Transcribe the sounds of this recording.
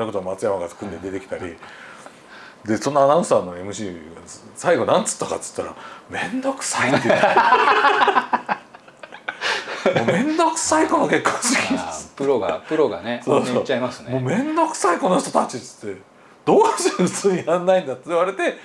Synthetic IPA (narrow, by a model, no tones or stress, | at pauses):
oko̞t̪o̞amat͡sɨjamaɡḁkɯ̃nd̪ed̪e̞t̪e̞kʲi̥t̪aɾʲḭ | d̪e̞so̞nːaanãɰ̃saːnːo̞e̞mɯ̟ɕiːasaiɡo̞nãnt͡sɨ̥t̪ːaka̰t̪t͡sɨ̥t̪ːaɾa̰mẽ̞nd̪o̞kɯ̟̥sait̪ːe | momẽ̞nd̪o̞kɯ̟̥saiko̞noke̞kːõnsɨkʲiɨ̥pɯɾoɡa̰ɯ̟ɾo̞ɡa̰nesoːsot͡ɕːaimasɨnmo̞ːmẽ̞nd̪o̞kɯ̟̥saiko̞noç̥t̪o̞t̪at͡ɕit͡sɨ̥t̪ːe̞ | d̪̥oːkaɕit͡sɨːɲiãnːaĩnd̪at̪ːɨβaɾe̞t̪e̞